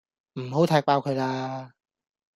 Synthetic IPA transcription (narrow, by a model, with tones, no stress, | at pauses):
m̩˨˩ɦo˨˥wt̪ʰaː˨˧˩aː˧wkʰɵ˨˧jlaː˧